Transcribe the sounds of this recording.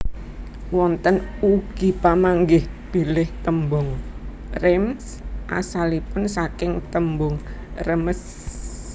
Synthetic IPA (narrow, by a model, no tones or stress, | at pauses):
wɔnt̪ənuɡ̥i̤pamaŋɡɪhb̥ilɪht̪əmbʊŋ | rɛms | ʔa̰salipʊnsakɪŋt̪əmbʊŋrəməs